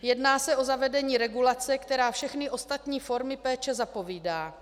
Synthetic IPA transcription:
jɛdnaːsɛʔo̞zavɛdɛɲiːɾɛɡulat͡sɛkt̪ɛɾaːfʃɛxnɪʔo̞st̪at̪ɲiːfo̞ɾmɪpɛːt͡ʃɛzapo̞viːdaː

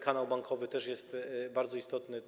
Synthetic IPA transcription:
kanawbaŋkʰɔvɘt̪ɛʂjɛst̪baɾd̪zɔist̪ɔt̪nɘ

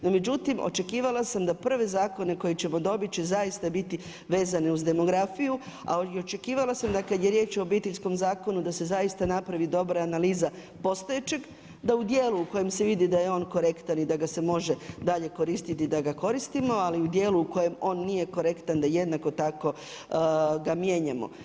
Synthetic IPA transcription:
nome̞d͡ʒut̪imo̞̰t͡ʃe̞kiːʋalˠasamd̪apr̩ʋe̞zaːko̞ne̞ko̞jet͡ɕe̞mo̞d̪o̞bit͡ɕezajist̪abit̪i | ʋe̞ːzaneuzd̪e̞mo̞ɡɾafiju | a̰ot͡ʃe̞kiːʋalasamd̪akad̪je̞ɾje̞ːt͡ʃo̞obiːt̪eʎʲsko̞mzaːko̞nud̪ase̞zajist̪anapɾaʋid̪o̞bɾaːnaliːza | po̞st̪ojet͡ʃe̞ɡ | d̪aud̪jeːluuko̞je̞mse̞ʋid̪id̪ajeo̞ːnko̞ɾe̞kt̪anid̪aɡase̞mo̞ʒe̞d̪aʎe̞ko̞ɾist̪it̪id̪aɡako̞ɾist̪imo̞aliud̪je̞ːluuko̞je̞mo̞ːnːije̞ko̞ɾe̞kt̪and̪aje̞d̪nako̞t̪ako̞ | ɡamje̞ːɲamo̞̰

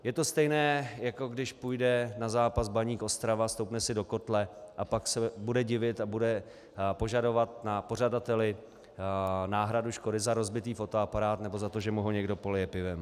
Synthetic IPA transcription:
jɛt̪o̞st̪ɛjnɛːjako̞ɡdɪʃpujdɛnazaːpasbaɲiːkʔo̞st̪ɾavast̪owpnɛsɪdo̞ko̞t̪lɛʔapaksɛbudɛɟɪvɪt̪abudɛ | po̞ʒado̞vat̪̚napo̞r̝adat̪ɛlɪ | naːɦɾaduʃko̞dɪzaɾo̞zbɪt̪iːfo̞t̪o̞apaɾaːt̪nɛbo̞zat̪o̞ʒɛmuɦoɲɛɡdo̞polɛjɛpɪvɛm

